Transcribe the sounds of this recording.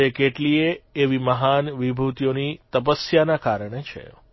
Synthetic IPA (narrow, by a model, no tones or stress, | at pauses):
ekeʈlieːʋiməɦanʋibʱut̪ijonit̪əpəsjanakaɾəɳ̃et͡ʃʰḛ